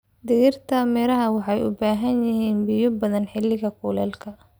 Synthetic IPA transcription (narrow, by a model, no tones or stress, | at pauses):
d̪ɪɣɪrt̪ʰaːmɛɾɐɦɐwɑħɑjʊ̰baːɦɐnjɪɦiːnbɪjɔbɐðɐnħɪlːɪɣɐkʰuːlɛːlkʰɐ